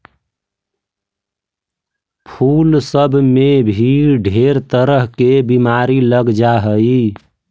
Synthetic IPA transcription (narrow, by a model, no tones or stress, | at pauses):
pʰulsəbmebʱiɾɖʱeɾt̪əɾəɦkebimaɾiləɡd͡ʒaɦəi